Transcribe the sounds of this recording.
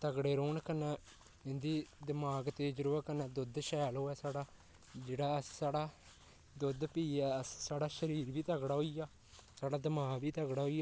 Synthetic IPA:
t̪əɡɽeːɾoːɳkənːɛ̃ː | ɪnd̪iːd̪ɪmaːɡt̪eːd͡ʒəɾuːəkənɛ̃ːd̪ʊd̪ʃɛːloːɛːsaːɽaː | d͡ʒeːɽaːəsːaːɽaː | d̪ʊd̪piːɛːəssaːɽaːʃəɾiːɾbiːt̪əɡɽaːɦoijaː | saːɽaːd̪ɪmaːɡʋiːt̪əɡɽaːɦoːijaː

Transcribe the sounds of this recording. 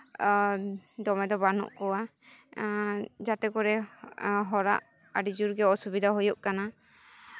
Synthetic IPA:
d̪ɔmɛd̪ɔbanɔ̰ʔkɔwa | d͡ʒat̪ɛkɔɾɛ | ɦɔɾa̰ʔ | aɖid͡ʒuɾɡɛɔsubid̪ʱaɦujɔʔkana

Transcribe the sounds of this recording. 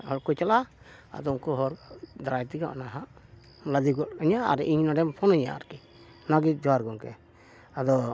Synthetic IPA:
hɔɾkɔt͡ʃala | a̰d̪ɔunkuɦɔɾd̪ɾajt̪iɡa̰ʔnaɦaʔ | lad̪iɡɔtəɲaa̰ɾʔiɲnaɖɛmpʰɔnəɲa̰a̰ɾki | naɡit̪̚d͡ʒɔaɾɡɔŋkɛ̰ | ad̪ɔ

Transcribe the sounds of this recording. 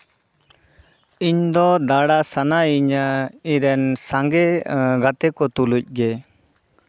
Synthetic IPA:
iɲd̪ɔd̪aɽaʔsanaiɲaiɾɛnsaŋɡɛɡat̪ɛkɔt̪uluc̚ˀɡɛ

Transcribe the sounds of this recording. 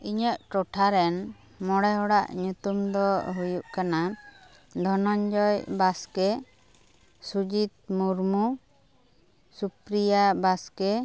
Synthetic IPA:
iɲəʔʈɔʈʰaɾɛn | mɔɽɛɦɔɽaʔɲut̪umd̪ɔɦujuʔkana | d̪ʱɔnɔɲd͡ʒɔjbaskɛ | sud͡ʒit̪̚muɾmu | supɾijabaskɛ

